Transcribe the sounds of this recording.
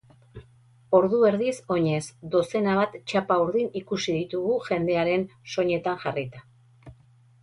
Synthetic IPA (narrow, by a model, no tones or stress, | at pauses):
o̞ɾðue̞ɾðiso̞ɲe̞sd̪o̞se̞naβ̞at̪t͡ʃapauɾðinikusiðit̪uɣuʝe̞nd̪e̞aɾe̞nso̞ɲe̞t̪aŋʝarit̪a